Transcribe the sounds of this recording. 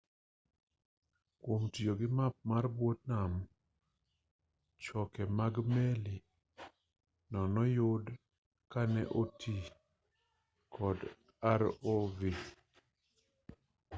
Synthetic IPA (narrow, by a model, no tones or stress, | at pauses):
kwomtjoɡɪmap̚marbwot̚nam | t͡ʃɔkɛmaɡmɛli | nɔnɔjʊd | kanɛ̰ʔotʰi | kʰɔd | aɾovi